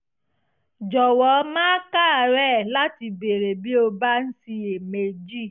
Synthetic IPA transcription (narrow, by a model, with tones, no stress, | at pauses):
d͡ʒɔ˨wɔ˨˦mãː˦ka˦˨ɾɛ˦˨la˦ti˧be˨ɾe˨bi˦o˧ba˦n̩˦si˧e˨me˨d͡ʒi˦˨